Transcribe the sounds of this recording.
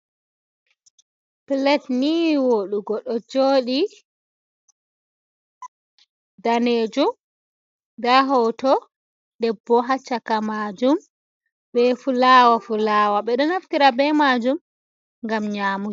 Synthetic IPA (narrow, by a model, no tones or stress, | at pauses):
plɛtniwoɗuɡɔɗɔd͡ʒoːɗi | daned͡ʒum | daɦɔtɔ | ɗɛbːɔɦat͡ʃːakamad͡ʒum | ɓɛfulawafulaːwaɓɛɗɔnaftiɾabɛmad͡ʒum | ŋɡamɲaːmu